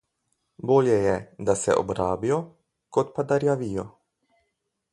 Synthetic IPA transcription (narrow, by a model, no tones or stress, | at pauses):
boːljɛjɛd̪asɛ̰ʔo̰bɾaːbijo | kot̪pad̪aɾjaʋijo